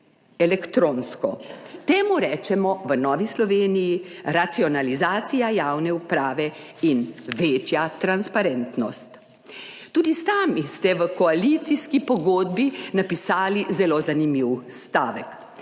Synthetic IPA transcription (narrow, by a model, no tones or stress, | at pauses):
ɛlɛkt̪ɾoːnskɔ̰t̪eːmuɾɛːt͡ʃɛmɔʋənɔːʋislɔʋeːnijiɾat̪siɔnalizaːt̪sijajaːwnɛupɾaːʋɛ | inʋeːt͡ʃjat̪ɾanspaɾɛnt̪nɔst̪ | t̪uːd̪isaːmist̪ɛʋəkɔalit̪siskipɔɡoːd̪̚binapisaːlizɛlozanimiwst̪aːʋɛk